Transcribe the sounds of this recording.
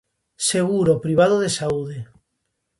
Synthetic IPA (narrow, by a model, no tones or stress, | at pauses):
seɣuɾopɾiβ̞að̞oðesauðe